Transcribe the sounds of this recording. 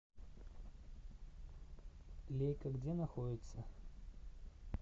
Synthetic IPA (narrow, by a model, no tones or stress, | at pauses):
lʲejkɐɡd͡zʲenɐxodʲɪt̪sə